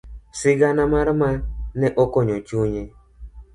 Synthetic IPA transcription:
siɡanamaɾmanɛʔɔkɔɲɔt͡ʃuɲe

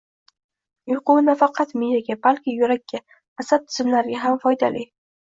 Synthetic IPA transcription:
jʊqʊwnafɑqʰɑt̪mijaɡʲabalkʲɪjʊɾakʲːa | asat̚t̪ʰʊ̥zɪmlaɾɪɡʲaɦamfɒjd̪ali

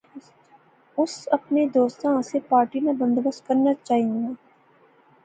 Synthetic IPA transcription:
ʊsɐpned̪oːst̪ãsepaːɾʈinabɐ̃nd̪obəst̪̚kɐɾnat͡ʃaːɦiũɡeː

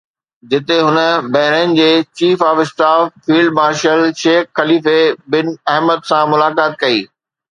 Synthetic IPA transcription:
d͡ʑɪt̪eɦʊnə̆bɐɦɾənɪ̆d͡ʑeːt͡ɕiːfaːfɪsʈaːfːiːlɖmaːɾʃəlʃeːxxɐliːfebɪnɛɦməd̪sãmʊlaːkaːt̪̚kɐḭː

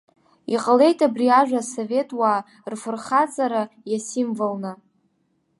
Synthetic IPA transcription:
ḭqʼəle̞jtʼabriaʒᶣʷasove̞tʼwaː | rfɨrχat͡sʼaɾajasimvɨlnɨ

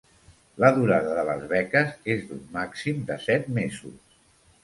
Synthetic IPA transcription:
ləðuɾaðəðələ̰zβɛkəzezd̪umːaksimd̪əsɛt̪mezṵs

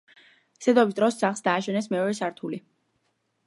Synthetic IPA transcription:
sɛd̪ɔbist̪ʼɾɔsːaχlsd̪aːʃɛnɛsmɛɔɾɛsaɾt̪ʰuli

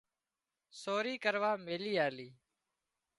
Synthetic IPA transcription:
soːɾiːkəɾʋaːmeːliːaːliː

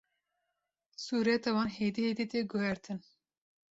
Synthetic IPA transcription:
suːɾɛt̪ɛwɑːnhejd̪ihejd̪it̪eɡohɛɾt̪ʰɨn

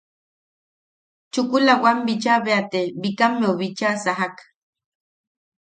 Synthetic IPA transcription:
t͡ʃukulawambit͡ʃaβeat̪ebikamːeoβit͡ʃasaɦak

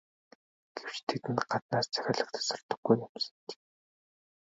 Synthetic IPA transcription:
ɡ̥ew̥t͡ɕt̪ʰet̪ɘ̆nɢat̪naːst͡sʰæ̥xʲaːɮə̆kt̪ʰḁsɔrt̪ɞ̆ɡːujːʊmsə̥̆nt͡ɕ

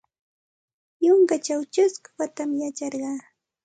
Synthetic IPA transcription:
joŋkat͡ʃawt͡ʃʊskʊ̥wat̪amjat͡ʃɑɾɢɑː

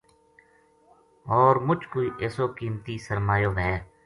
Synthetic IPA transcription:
ɔːɾmʊt͡ʃkoːiːʔeːsoːkiːmt̪iːsəɾmaːjoːʋɦɛː

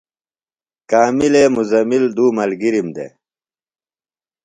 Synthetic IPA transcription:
kaːmileːmuzɐmild̪uːmɐlɡiɾimd̪ḛ

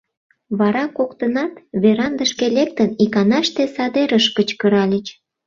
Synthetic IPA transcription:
βɑɾɑkokt̪ənɑt̪βeɾɑnd̪əʃkelek̚t̪ənikɑnɑʃt̪esɑd̪eɾəʃkət͡ɕkəɾɑlʲət͡ɕ

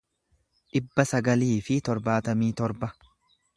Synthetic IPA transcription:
ɗɪbːɐsɐɡɐliːfɪt̪ɔɾbaːt̪ɐmiːt̪ɔɾbɐ

